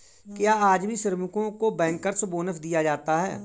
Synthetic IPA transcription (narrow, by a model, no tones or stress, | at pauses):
kjaːaːd͡ʒbʱiʃɪɾmʊkõkobɛ̃ːŋkəɾsboːnəfʰd̪ijad͡ʒaːt̪aɦɛː